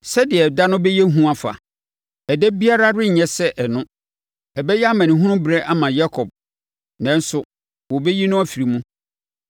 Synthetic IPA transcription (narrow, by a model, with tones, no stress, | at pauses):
sɛ˦dɪ˨ɛ˨da˦nʊ̃˦bɛ˦jɛ˦ɦũ˦a˨fa̰˨ | ɛ˨dɛ˦bi˦a˦ɾa˦ɾɪ˦˨ɲɛ̃˦sɛ˦ʔɛ˨nʊ̃˦ | ɛ˨bɛ˦jɛ˦a˦mã˨nĩ˨ɦʊ̃˦nʊ̃˦bɾɛ˦ʔa˦mã˨ja˦kʰɔ˨b̚ | nɛ̃˨n˦sʊ˨ | wɔ˨bɛ˦ji˦nʊ̃˦a˦fi˨ɾi˨mũ˦